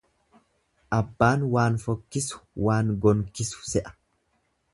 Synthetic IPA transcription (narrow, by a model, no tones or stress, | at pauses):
ʔɐbːaːnwaːnfɔkːɪsʊ̥waːŋɡɔŋkɪsʊ̥sɛʔɐ̥